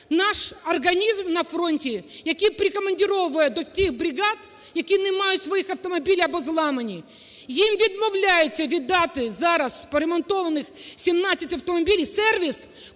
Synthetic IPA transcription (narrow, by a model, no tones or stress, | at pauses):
naʂɐrɡɐnʲizmnɐfɾonʲtʲɪjɐkʲipɾʲɪkɐmɐnʲdʲɪɾoʋʊjɛd̪ɔt̪ʲixbɾʲɪɡat̪ | jɐkʲijnɪmajʊt̪ʲsʋɐjixɐft̪ɔmɐbʲilʲjɐbɔzlˠamɐnʲi | jimvʲɪd̪mɐwlʲæjɪsʲɐʋʲɪd̪at̪ɪzaɾɐspɔɾʲɛmɐnt̪oʋɐnɪxsʲɪmnasʲɪtʲɐft̪ɔmɐbʲilʲijsɛrʋʲɪs